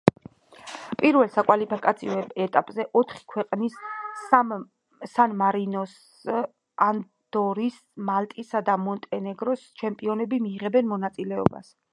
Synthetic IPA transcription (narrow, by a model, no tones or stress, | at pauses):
pʼiɾvɛlˠsakʼwalipʰikʼat̪sʰiɔɛɛt̪ʼapʼzɛʔɔt̪ʰχi̥kʰwɛqʼnis | sanmaɾinɔs | an | d̪̥ɔɾis | malt̪ʼisad̪amɔnt̪ʼɛnɛɡɾɔst͡ʃʰɛmpʼiɔnɛbimiːʁɛbɛnmɔnat̪sʼilɛɔ̰ba̰s